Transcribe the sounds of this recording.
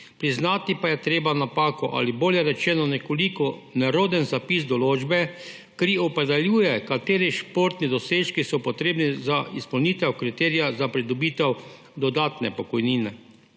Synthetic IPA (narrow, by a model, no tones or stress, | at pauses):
pɾiznaːt̪ipajɛt̪ɾeːbanapaːkɔʔa̰liboːljɛɾɛt͡ʃɛːnɔnɛkɔlikɔnɛɾoːd̪ənzapiːsd̪ɔloːd͡ʒbɛ | kɾiɔpɾɛd̪ɛljuːjɛkat̪eːɾiʃpoɾt̪nid̪ɔseːʃkisɔpɔt̪ɾeːbnizaispɔwniːt̪ɛwkɾit̪ɛːɾijazapɾid̪ɔbiːt̪ɛw | d̪ɔd̪aːt̪nɛ̰pɔkɔjniːnɛ